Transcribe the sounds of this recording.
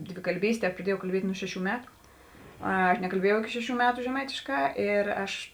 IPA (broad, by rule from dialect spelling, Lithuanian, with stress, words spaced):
dʲʋʲɪkɐlʲˈbʲiːsʲtʲeː prɐˈdʲiɛjɛʊ kɐlʲˈbʲiɛtʲ ˈnʊ ˈʃʲæːˌʃʲuː ˈmʲæːtʊ ˈɐ nʲɛkɐlʲˈbʲiɛjɛʊ ɪˈkʲɪ ˈʃʲæːˌʃʲuː ˈmʲæːtʊ ʒʲɛˈmɐɪtʲeːˌʃkɑː ˈɪr ˈɐʃ